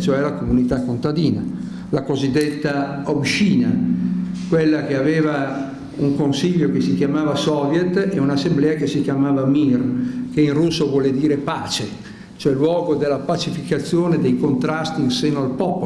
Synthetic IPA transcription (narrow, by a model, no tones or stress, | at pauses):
t͡ʃoɛlakomunit̪akːont̪ad̪iːna | lakozid̪ːet̪ːaobʃiːna | kwelːakeaveːva | uŋkonsiʎːokesikjamaːvasɔvjɛt̪ːɛunasːemblɛːakesikjamaːvamirkeinrusːovwɔːled̪iːɾepaːt͡ʃe | t͡ʃoɛlːwɔːɡod̪elːapat͡ʃifikat̪sːjoːned̪ejkont̪ɾast̪iːnseːnoalpɔːpo